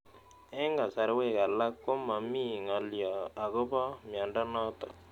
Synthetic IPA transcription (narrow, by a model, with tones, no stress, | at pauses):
e˦ŋɡa˨sa˨ɾwe˦˨ka˨la˦kːo˦ma˨mi˦˨ŋa˨ljɔ˨a˨ɣʊ˦pɔ˦mja˨nda˦nɔ˦t̪ɔ̰˨